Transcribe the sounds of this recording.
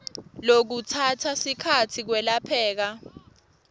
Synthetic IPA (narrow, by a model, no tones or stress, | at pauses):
lok̬utʰatʰasikʰatʰik̬wɛlapʰɛːk̬a